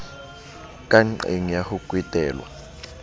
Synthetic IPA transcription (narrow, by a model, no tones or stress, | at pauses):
kʼaŋ͡ǃḛŋijahukʼwitʼɛːlwa̰